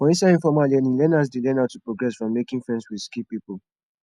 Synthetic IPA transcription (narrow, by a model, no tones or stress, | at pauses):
fɔ̃ĩnsaĩnfɔmalɛnĩlɛ̃nas̬delɛ̃naʊtːupɹoɡɹɛsfɹɔ̃mːekĩŋfɹɛ̃ndswi̥skipipul